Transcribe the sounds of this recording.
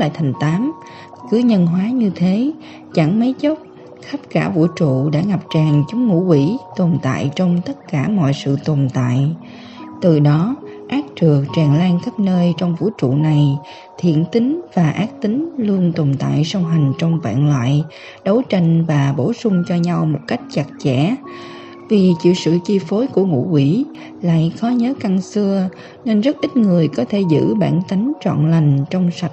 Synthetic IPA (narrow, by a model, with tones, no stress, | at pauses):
la̰ː˧˨jt̪ʰa˨˩ŋ̟t̪aː˨˦m | kɨ˨˦əɲə˧nɦwaː˨˦ɲɨ˧t̪ʰe˨˦ | t͡ɕa˧˩ŋmə˨˦jt͡ɕə˦˥p̚ | xə˦˥p̚kaː˧˩vṵ˧˩t͡ɕṵ˧˨ɗa̰ː˧˥ŋa˨˩p̚t͡ɕaː˨˩ŋt͡ɕʊ˨˦ŋ͡mŋṵ˧˥kwi˧˩t̪o˨˩nt̪a̰ː˧˨jt͡ɕɔ˧wŋ͡mt̪ə˦˥t̚kaː˧˩mɔ̰˧˨jsɨ̰˧˨t̪o˨˩nt̪a̰ː˧˨j | t̪ɨ˨˩ɗɔ˨˦ | ʔaː˦˥k̚t͡ɕɨ˨˩ək̚t͡ɕaː˨˩ŋlaː˧ŋxə˦˥p̚nəː˧jt͡ɕɔ˧wŋ͡mvṵ˧˥t͡ɕṵ˧˨na˨˩j | t̪ʰḭ˧˨ənt̪ï˨˦ŋ̟vaː˨˩ʔaː˦˥k̚t̪ï˨˦ŋlu˧ənt̪o˨˩ŋ͡mt̪a̰ː˧˨jsə˧wŋ͡mɦa˨˩jŋ̟t͡ɕɔ˧wŋ͡mva̰ː˧˨nlwa̰ː˧˨j | ɗə˨˦wt͡ɕa˧jŋ̟vaː˨˩ɓo˧˩sʊ˧ŋ͡mt͡ɕɔ˧ɲa˧wmo˨˩t̚ka˦˥jk̟̚t͡ɕa˨˩k̚t͡ɕɛ̰˧˥ | vi˨˩t͡ɕḭ˧˨wsɨ̰˧˨t͡ɕi˧fo˨˦jku˧˩əŋṵ˧˥kwi˧˩ | la̰ː˧˨jxɔ˨˦ɲəː˨˦ka˧ŋsɨ˧ə | ne˧nzə˦˥t̚ʔi˦˥t̟̚ŋɨ˨˩əjkɔ˨˦t̪ʰe˧˩zɨ̰˧˥ɓa̰ː˧˩nt̪a˨˦jŋt͡ɕwɔ̰˧˨nla˨˩jŋ̟t͡ɕɔ˧wŋ͡msa˨˩t̚